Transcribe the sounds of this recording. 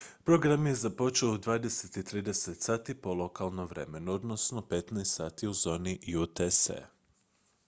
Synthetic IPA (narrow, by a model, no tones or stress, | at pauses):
pɾo̞ɡɾamje̞zapo̞t͡ʃe̞oud̪ʋaːd̪e̞set̪it̪ɾiːd̪e̞set̪saːt̪ipo̞lˠo̞kalˠnoʋɾe̞̰me̞nuo̞d̪no̞sno̞pe̞t̪najst̪saːt̪iuzo̞ːnijut̪esḛ